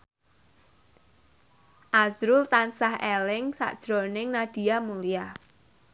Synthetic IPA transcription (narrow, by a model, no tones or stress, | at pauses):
ʔazɾʊlt̪ansahɛlɪŋsa̰ʔd̥ʒ̥ɾonɪŋnad̪̥i̤amulija